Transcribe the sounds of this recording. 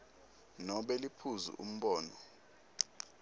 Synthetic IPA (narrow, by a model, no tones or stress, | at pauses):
nɔɓɛlipʰuzṵʔṵm̩ɓɔːnɔ